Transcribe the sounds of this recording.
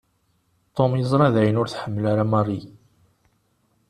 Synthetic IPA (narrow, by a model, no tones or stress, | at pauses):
t̪ˤːomjəzˤɾˤɑðæjənʊɾθħəmːəlaɾamɑrˤːi